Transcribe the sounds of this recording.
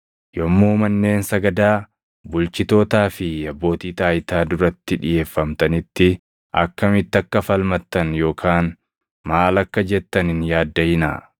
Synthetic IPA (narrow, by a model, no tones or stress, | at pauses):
jɔmːoːmɐnːe̞ːnsɐɡɐd̪aː | bʊlt͡ʃɪt̪o̞ːt̪aːfɪɐbːo̞ːt̪iːt̪aːjt̪aːd̪ʊɾɐt̪ːɪᶑɪje̞ːfːɐmt̪ɐnɪt̪ːɪ | ʔɐ̰kːɐmɪt̪ːɐkːɐfɐlmɐt̪ːɐnjo̞ːkʰaːn | maːlɐkːɐd͡ʒɛt̪ːɐnɪnjaːd̪ːɐjɪnɐ̰